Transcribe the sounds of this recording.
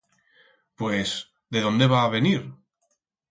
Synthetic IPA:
pwes | ðeðond̪eβ̞aːβeniɾ

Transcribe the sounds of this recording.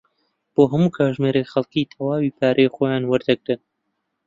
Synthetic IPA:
b̥oːɦɐmuːkʰaːʒmeːɾexɐlˠkiːt̪ʰɐwaːwiːpʰaːɾʔejχoːjaːnwɐɾd̪ɐɡɾɨn

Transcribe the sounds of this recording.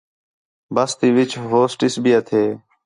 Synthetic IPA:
bəst̪iːʋɪt͡ʃʰɦoːsʈɪsbʱiːət̪ʰeː

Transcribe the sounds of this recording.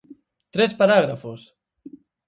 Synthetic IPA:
t̪ɾespaɾaɣ̞ɾafos

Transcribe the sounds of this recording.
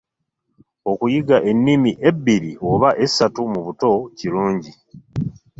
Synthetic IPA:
o̞kujiɡaʔe̞nːimiʔe̞bːiɾiʔo̞βaʔe̞sːatumuβuto̞ciluːɲɟi

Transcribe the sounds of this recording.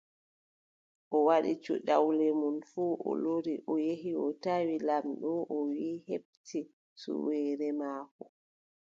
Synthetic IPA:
ʔɔwaɗḭt͡ʃṵɗawlɛmunfuːʔɔ̰loɾiʔɔjeɦiɔtawilamɗɔʔɔwiːheb̚ti | sṵwɛːɾɛmaːkɔ

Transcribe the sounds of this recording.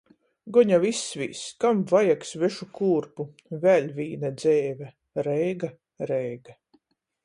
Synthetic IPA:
ɡɔɲavisvʲḭːskamvajaksvɛʃukuːɾpu | vʲɛlʲvʲiːnɛd̪zɛːvʲɛ | ɾɛjɡa | ɾɛjɡa

